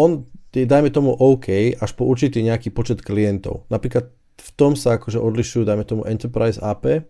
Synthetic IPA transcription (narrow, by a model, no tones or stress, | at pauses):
ɔnjɛd̪ajmɛt̪ɔmuʔɔʊkʰɛjʔaʃpɔuɾt͡ʃit̪iːɲɛakiːpɔt͡ʃɛt̪klijɛnt̪ɔ̰ʊnapɾiːklat̪̚ | ft̪ɔmsaakɔʒɛʔɔd̪liʃujuːd̪ajmɛt̪ɔmuʔɛnt̪ɛɾpɾajsaːpɛ